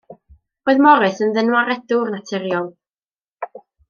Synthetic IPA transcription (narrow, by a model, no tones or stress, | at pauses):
oɨðmɔɾɨθənðənwaɾɛdʊrnatʰɛɾjɔlˠ